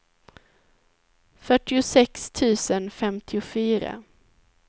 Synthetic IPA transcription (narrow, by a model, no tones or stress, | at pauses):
fœʈɪʊsɛkst̪ʰʉ̟ːsənfɛmt̪ʰɪʊfyːɾa̰